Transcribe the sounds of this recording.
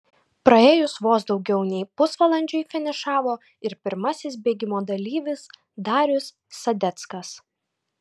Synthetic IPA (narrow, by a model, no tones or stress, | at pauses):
pɾɐeːjʊsʋoːsd̪ɒʊɡʲɛʊnʲɛɪpʊsʋɐlˠɐnʲd͡ʒʲɔɪfʲɪnʲɪʃɑːʋoː | ɪɾpʲɪɾmɐsʲɪsbʲeːɡʲɪmoːd̪ɐlʲiːʋʲɪs | d̪ɑːɾʲʊsː | ɐd̪ʲɛt̪skɐs